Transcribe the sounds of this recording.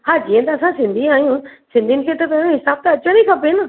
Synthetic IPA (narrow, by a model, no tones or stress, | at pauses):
haːd͡ʑiːə̃t̪ɐːsãsɪ̃nd̪ʱĩaːɦijũsɪ̃nd̪inɪkʰet̪ɐp̪ɐ̃ɦɪsaːb̚t̪ɐɐt͡ɕənikʰɐpeɦɪnə